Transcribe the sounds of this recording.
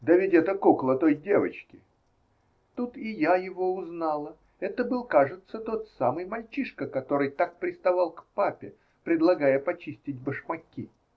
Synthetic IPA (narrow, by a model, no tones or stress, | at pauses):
d̪əvʲɪtʲɛt̪əkuklˠət̪o̞jdʲevət͡ɕkʲɪ | t̪ut̪ɪjajɪvo̞ʊznɑlˠə | ɛt̪əbɨlˠkaʐɨt̪sət̪o̞t̪samɨjmɐlʲt͡ɕiʂkəkɐt̪o̞ɾɨjt̪ak̚pɾʲɪst̪ɐvɑlˠkpapʲɪ | pɾʲɪd̪lˠɐɡajəpɐt͡ɕisʲtʲɪtʲbəʂmɐkʲi